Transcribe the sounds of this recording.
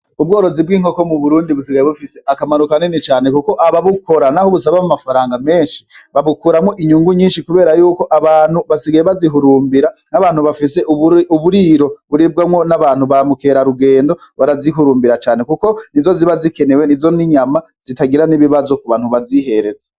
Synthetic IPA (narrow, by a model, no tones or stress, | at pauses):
ub̚ɡo̞ːɾo̞zibɡiːŋo̞ko̞muβuɾuːndiβus̬iɡajeβufise̞ʔakamaɾukanenit͡ʃaːne̞kuko̞ʔaβaβukʰo̞ɾanaho̞βusaβamumafaɾaːŋɡame̞ːnʃiβaβukuːɾamŋoʔiɲuːŋɡuɲiːnʃikuβe̞ːɾajuːko̞ʔaβaːn̥huβasiɡajeβaziɦuɾuːmbiɾanaβaːnhuβafise̞ʔuuβuɾiːɾo̞βuɾib̚ɡamŋo̞naβaːn̥huβamukeːɾaɾuɡe̞ːndo̞βaɾaziɦuɾuːmbiɾat͡ʃaːne̞kuko̞nizo̞ziβazike̞ne̞wenizo̞niɲama | z̥itaɡiɾaniβiβazo̞kuβaːnhuβaziɦe̞ɾe̞ze